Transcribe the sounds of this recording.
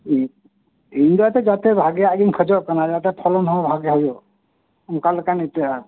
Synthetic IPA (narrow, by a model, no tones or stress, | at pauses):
endatɛd͡ʒat̪ɛbʱaɡɛaɡinkʰɔd͡ʒɔʔkanad͡ʒatɛpʰɔlɔnɦɔbʱaɡɛɦɔjɔ | ɔmkalkanetija